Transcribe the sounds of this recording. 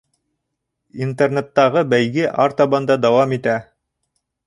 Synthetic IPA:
int̪ernet̪ːɑʁɤbæjɡɘʔɑɾt̪ɑbɑnd̪ɑd̪ɑwɑmit̪æ

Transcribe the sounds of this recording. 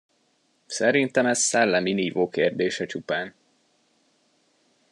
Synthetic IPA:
sɛɾint̪ɛmɛzsɛlːɛminiːvoːkeːrd̪eːʃɛt͡ʃupaːn

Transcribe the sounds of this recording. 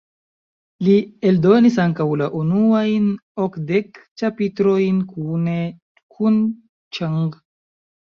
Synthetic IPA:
lieldo̞nisaŋkawlaʔunuajnokdekt͡ʃapitɾo̞jnkʰune | kʰun | t͡ʃaŋɡ

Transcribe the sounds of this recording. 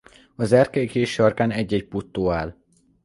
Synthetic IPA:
ɒzɛrkɛjikeːʃɒrkaːnɛɟːɛɟput̪ːoːaːl

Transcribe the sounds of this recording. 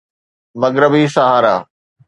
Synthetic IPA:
mɐɡɾəbisɐɦaːɾa̰ː

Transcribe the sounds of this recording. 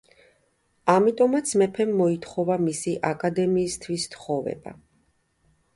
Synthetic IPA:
amit̪ʼɔmat̪sʰmɛpʰɛmːɔit̪ʰχɔvamisiʔakʼad̪ɛmiːst̪ʰwist̪ʰχɔvɛ̰ba̰

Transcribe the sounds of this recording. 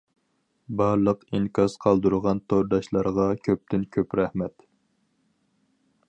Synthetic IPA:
bɑɾlˠəqiŋkʰʲɑsqʰɑlˠd̪uɾʁɑnt̪ʰoɾd̪ɑʃlˠɑɾʁɑkʲʰøp̚t̪ɪnkʲʰøpɾɛhmɛt̪

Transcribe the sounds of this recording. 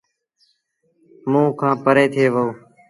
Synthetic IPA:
mũːkʰãːpəɾeːt̪ʰeːʋəoː

